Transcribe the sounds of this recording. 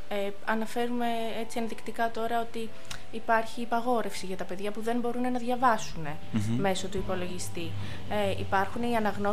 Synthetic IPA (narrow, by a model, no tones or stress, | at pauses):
e | ɐnɐfe̞ɾume̞ | e̞t͡siɐnðikt̪ikɐt̪o̞ɾɐo̞t̪iː | pɐɾçiːpɐɣo̞ɾe̞fsiʝɐt̪ɐpe̞ðʝɐpuðe̞mbo̞ɾune̞nɐðʝɐvɐsune̞ | me̞so̞t̪uipo̞lo̞ʝist̪i | e | ipɐɾxune̞iɐnɐɣno̞